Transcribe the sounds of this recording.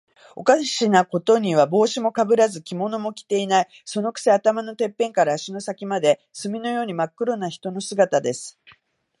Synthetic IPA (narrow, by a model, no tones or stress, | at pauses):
o̞kaɕinako̞t̪o̞ɲ̟iβ̞abo̞ːɕimo̞kabɯ̟ɾazɨkʲimo̞no̞mo̞kʲi̥t̪e̞inai | so̞no̞kɯ̟̥seat̪amano̞t̪e̞pːẽ̞ŋkaɾaːɕino̞sakʲimad̪e̞sɨmʲino̞jo̞ːɲ̟imakːɯ̟ɾo̞naçi̥t̪o̞no̞sɨɡat̪ad̪e̞sɨ̥